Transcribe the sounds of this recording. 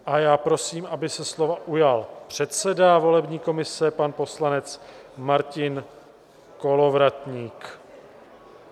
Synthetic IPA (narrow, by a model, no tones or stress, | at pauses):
ʔajaːpɾo̞siːmʔabɪsɛslo̞vaʔujalpr̝̥ɛt̪sɛdavo̞lɛbɲiːko̞mɪsɛpanpo̞slanɛt͡s | maɾcɪn | ko̞lo̞vɾat̪ɲiːk